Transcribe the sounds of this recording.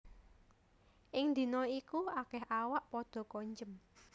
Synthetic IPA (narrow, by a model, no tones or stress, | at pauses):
ʔɪŋnd̪i̤nɔikuakɛɦawaʔpɔd̪̥ɔ̤kɔɲd͡ʒəm